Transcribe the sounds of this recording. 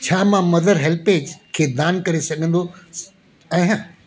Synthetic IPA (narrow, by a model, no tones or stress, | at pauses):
t͡ɕʰaːmãmɐd̪əɾɦɛlpeːd͡ʑkʰeːd̪aːnkɐɾesɐɠʱə̃n̆d̪o | ɛ̃ːɦə̃